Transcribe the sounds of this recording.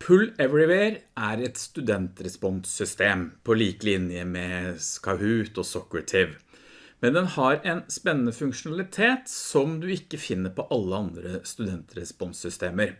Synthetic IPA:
pʰʉlːɛʋɾɪʋeːɾæɾɛt̪st̪ʉd̪ɛnt̪ɾɛspɔnssʏst̪eːmpʰɔliːkəlɪnjəmɛskɑhʉːt̪ɔsɔkɾət̪ʰɪʋ | mɛnd̪ɛnhɑɾɛnspɛnːənəfʉŋkʂʊnɑlɪt̪ʰeːt̪sɔmd̪ʉɪkːəfɪnːəɾpɔʔɑlːəɑnd̪ɾəst̪ʉd̪ɛnt̪ɾɛspɔnsʏst̪eːməɾ

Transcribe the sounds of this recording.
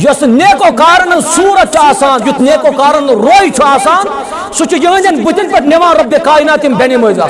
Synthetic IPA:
jɐsneːkoːkaːɾɐnɐnsuːɾɐt͡ʃʰaːsaːnjut̪ʰneːkoːkaːɾɐnɾoːit͡ʃʰuaːsaːn | sut͡ʃujɐɦnʲd̪ʲɐnbut̪inpɐʈneʋãːɾɐbekaːinaːt̪imbenimoːizaː

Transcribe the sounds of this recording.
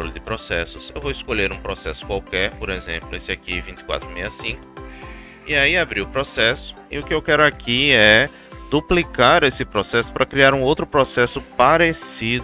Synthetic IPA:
ɾo̰lʊd̪ɪpɾosɛsʊsewvowɪskoʎeɾũpɾosɛsʊ̥kwawkɛɾpoɾezḛ̃mplʊesɪakivĩnt͡ʃ̪ɪ̥kwa̰t̪ɾʊmejɐsĩŋkʊ̥ | ɪaiabɾiʊpɾosɛsʊ̥ɪ̰ʊkɪewkɛɾʊakʰiɛ | d̪uplikaɾesɪpɾosɛsʊ̥pɾɐkɾiaɾũowt̪ɾʊpɾosɛsʊpaɾesid̪

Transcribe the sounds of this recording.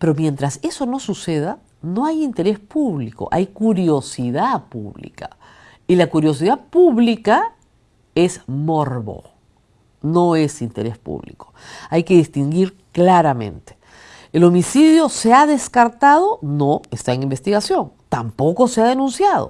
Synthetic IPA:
pe̞ɾo̞mje̞nt̪ɾase̞so̞no̞suse̞ða | no̞ajint̪e̞ɾe̞spuβliko̞̰ʔajkuɾjo̞siðapṵβlḭka | ilakuɾjo̞s̬iðapuβlika | e̞zmoɾβo̞̰ | no̞e̞sint̪e̞ɾe̞spṵβlḭko̥ajke̞ðist̪iŋɡiɾ | klaɾamẽ̞̰nt̪e̥ | elo̞misiðjo̞seaðe̞skaɾt̪aðo̞no̞est̪aeŋimbe̞st̪iɣasjo̞ŋt̪ampo̞ko̞se̞aðe̞nũnsjað̞o̰

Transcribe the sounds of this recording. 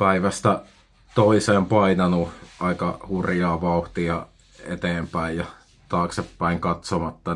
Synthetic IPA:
pæiʋæst̪æ | t̪oiseːmpɑinɑnuɑikɑhurjɑːʋɑuht̪iɑ | ḛt̪eːmpæijjɑ | t̪ɑːksepːæiŋkɑt̪somɑt̪ːɑ

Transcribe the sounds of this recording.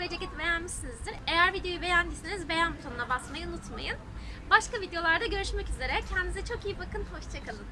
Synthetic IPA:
ved͡ʒecit̪be̞jænmiʃsinizd̪iɾejæɾvid̪ejo̞jube̞jænd̪isinizbe̞jænbut̪ʰonunabasmajiunut̪ma̰jɯn | baʃkavid̪ejo̞lˠaɾd̪aɟø̞ɾyʃmɛcyze̞ɾɛcʰɛnd̪inizɛt͡ʃʰo̞kijibakʰɯnho̞ʃt͡ʃʰakʰalˠɯn

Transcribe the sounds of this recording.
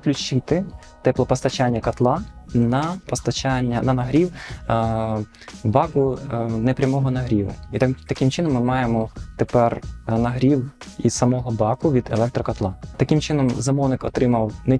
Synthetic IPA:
klʲʊt͡ʃɪt̪ɪ | t̪ɛplˠɔpɔst̪ɐt͡ʃanʲːɐkɐt̪lˠɑnɐpɔst̪ɐt͡ʃanʲːɐnɐnɐɦɾʲiw | bɑkʊnɛpɾʲɐmɔɦɔnɐɦɾʲiʋʊ̰it̪t̪ɐkʲɪmt͡ʃɪnɔmːɪmɑjemɔt̪epɛrnɐɦɾʲiwissɐmɔɦɔbɑkʊʋʲid̪elˠɛk̚t̪ɾɔkɐt̪lˠɑt̪ɐkimt͡ʃɪnɔmzɐmɔwnɪkɔ̰t̪ɾɪmɐwnɛ

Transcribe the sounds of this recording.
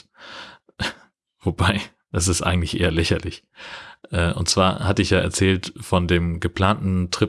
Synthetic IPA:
v̥obaɪ | d̥asɪstʔa̰ɪɡŋ̩tlɪçʔḛːɐlɛçɐlɪç | ʔɛːʔʊ̰ntt͡sv̥aːɐhatəɪçjaːʔɛ̰ɐt͡sɛːltfɔndeːmɡəpl̥aːntn̩tʁ̥ɪ

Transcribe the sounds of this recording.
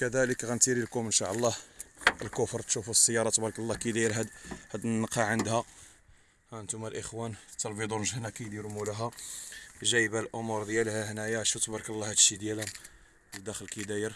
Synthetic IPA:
kæd̪æləkɣænt̪iɾilkumənʃɑʔəlˤːɑhəlkʊfɾˤt̪ʃufusˤːəjːɑɾˤɑt̪ˤbɑɾˤkəlˤːɑkid̪æjəɾɦæd̪hæd̪nnqɑʕənd̪hæ | hæənt̪umælʔəxwænt̪ːɑlbid̪unʒəhnækijd̪iɾmulæɦæ | ʒæjbælʔʊmuɾˤd̪jælhæhnæjæʃut̪ˤɑbɑɾˤklˤːɑhæd̪ʃid̪jælæ | d̪æxəlkid̪æjəɾ

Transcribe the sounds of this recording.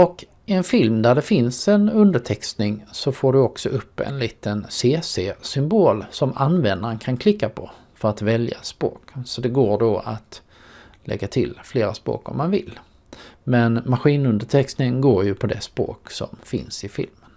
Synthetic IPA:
ɔk | ɪɛnfɪlmd̪æɖɛfɪnsɛnɵnd̪əʈʰɛkst̪nɪŋsɔfoːɖɵɔksɔʔɵpːɛ̰nliːt̪ənseːseːsʏmboːlsɔmanːvɛnd̪aɾənkʰankʰlɪkːapʰɔ | fœɾat̪vɛlja̰spɾo̰ːksɔd̪ɛɡoːɖoat̪ | lʔɛ̰ɡːat̪ʰɪlfleːɾaspɾo̰ːkɔ̰mːanvɪ̰lː | mɛnmaɧiːnɵnd̪əʈʰɛkst̪nɪŋɡoːɾjɵpʰɔd̪ɛspɾo̰ːksɔ̰mfɪ̰nsɪfɪ̰lmən

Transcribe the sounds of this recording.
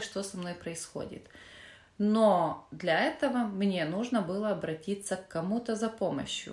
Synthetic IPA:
ʂt̪o̞sɐmno̞jpɾəɪsxo̞̰dʲɪ̰t̪ | nod̪lʲɐɛt̪əvəmnʲe̞nuʐnəbɨlˠəɐbɾɐtʲit̪sːəkːɐmut̪əzɐpo̞mə̰ɕjʊ̰

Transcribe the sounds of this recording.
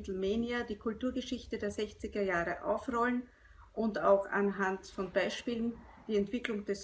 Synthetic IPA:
tl̩meːniadiːkʰʊltuːɐɡəʃɪçtədeːɐzɛçt͡sɪɡɐjaːʁəʔa̰ʊfʁɔlən | ʔʊndaʊxa̰nɦantfɔnbaɪʃpiːlən | d̥iːɛntv̥ɪklʊŋd̥ɛs

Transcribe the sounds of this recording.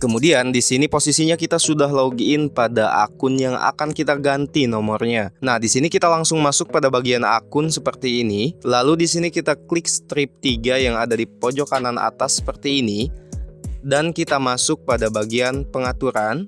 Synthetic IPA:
kəmudiandisiniposisiɲakit̪asudaɦloɡiɪnpadaʔa̰kʊnjaŋa̰kankit̪aɡant̪inɔmɔrɲanahdisinikit̪alaŋsʊŋmasʊk̚padabaɡiana̰kʊnsəpərt̪iːnilaludisinikit̪aklɪkst̪ɾɪp̚t̪iɡajaŋadadipod͡ʒɔkanana̰t̪asːə̥pərt̪iːni | dankit̪amasʊk̚padabaɡianpəŋat̪uɾan

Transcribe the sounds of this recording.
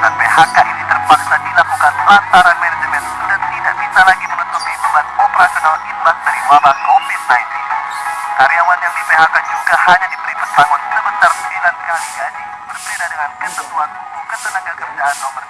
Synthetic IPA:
ta̰npeɦakaʔinit̪ərpaksadilakukanlant̪aɾanmɛndəmɛndant̪ida̰ʔbisalaɡimənut̪upibumanɔpəɾakənaninmat̪̚daɾiwabahkofit̪̚naint̪in | kaɾijawanjaŋdipeɦakad͡ʒuɡahaɲadibəɾipərt̪aŋʊnsəbənt̪arəmilankaliɡad͡ʒi | bərbedadəŋankət̪əmuan | t̪ukət̪ənaɡakəbəd͡ʒaant̪abər

